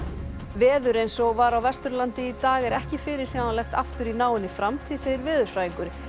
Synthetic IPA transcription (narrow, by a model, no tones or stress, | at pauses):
vɛːðʏɾejnsɔɣvaɾawvɛst̪ʏɾlant̪ɪit̪aːɣɛɾɛhcɪfɪɾɪɾ̥sawmalɛxt̪aft̪ʏɾinaːwɪnːɪfɾamt̪ʰɪðseːjɪɾvɪːðʏɾ̥fɾaːjiŋkʏɾ